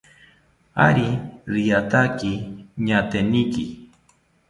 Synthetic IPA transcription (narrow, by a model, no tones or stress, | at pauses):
a̰ɾiɾijat̪akiɲat̪eniki